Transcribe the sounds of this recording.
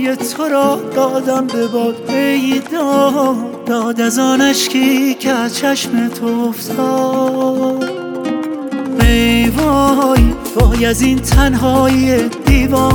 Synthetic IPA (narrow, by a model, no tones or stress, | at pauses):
jet̪ʰoɾɒːhd̪ɒːd̪æmbebɒːd̪ejd̪ɒːɦ | d̪ɒːd̪æzɒːnæʃkʰikʰezt͡ʃʰæʃmet̪ʰoft̪ɔː | mejvɒːjb̥ɒːjæziːnt̪ʰænɦɒːjied̪iːvɒː